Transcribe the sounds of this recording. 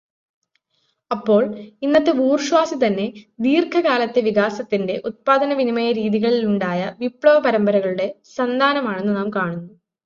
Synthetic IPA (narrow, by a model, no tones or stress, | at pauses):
ɐpːo̞ːɭinːɐt̪ːeuːrʂʋaːsit̪ɐnːe̞d̪iːrkʰɐɣaːlɐt̪ːe̞ʋiɣaːsɐt̪ːinde̞ʔut̪̚paːd̪ʱɐnɐʋinimɐjɐɾiːðiɣɐɭiluɳɖaːjɐʋipɭɐʋɐpɐɾɐmbɐɾɐɣɐɭuɽe̞sɐnd̪ʱaːnɐmaːɳe̞nːunaːmkaːɳunːuu